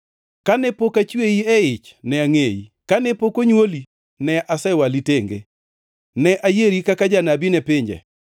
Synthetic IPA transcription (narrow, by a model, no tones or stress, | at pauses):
kanɛpokat͡ʃweiɛɪt͡ʃnɛaŋejḭkanɛpokoɲwoli | nɛʔasɛwaliteŋɡḛ | nɛʔajeɾikakad͡ʒanabinɛpɪɲd͡ʒɛ̰